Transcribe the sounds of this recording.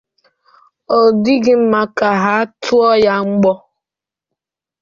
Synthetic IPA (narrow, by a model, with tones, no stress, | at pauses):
o˨di˦ɡɪ˦m̩˦ma˦ka˨ɦa˦tʰʊ˦ɔ˦ja˦ŋ͡m̩˦ɡ͡bɔ˦